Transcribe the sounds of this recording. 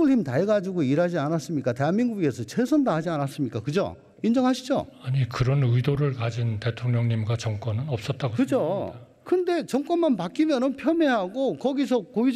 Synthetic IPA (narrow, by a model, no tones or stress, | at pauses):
uɭimtaeɡad͡ʑiɡoiɾad͡ʑianas͈ɯmɲik͈ate̞ɦaŋmiŋɡuɡe̞sʰʌt͡ɕʰe̞sʰʌndaɦad͡ʑianas͈ɯmɲik͈akɯd͡ʑo̰ | ind͡ʑʌŋɦaɕʰid͡ʑo̰aɲikɯɾʌnɯidoɾɯɭkad͡ʑintetʰoŋɲʌŋɲimɡwat͡ɕʌŋk͈wʌnɯnʌp̚s͈ʌt̚t͈aɡokɯd͡ʑo | kɯnde̞t͡ɕʌŋk͈wʌnmanpak͈imjʌnɯnpʰjʌmeɦaɡokʌɡis̬ʰʌkoi